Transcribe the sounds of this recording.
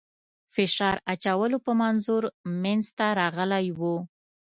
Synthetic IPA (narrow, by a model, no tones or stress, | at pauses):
fɪʃɑɾat͡ʃawəlopəmanzuɾmanzt̪aɾɑɣəlajwu